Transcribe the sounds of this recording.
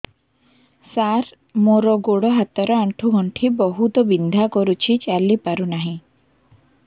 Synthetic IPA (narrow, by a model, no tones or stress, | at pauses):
saɾ | moɾɔɡoɽɔɦat̪ɔɾɔaɳʈʰuɡʱɔɳʈʰibɔɦut̪ɔbind̪ʱakɔɾut͡ʃʰit͡ʃaɾlipaɾunaɦĩ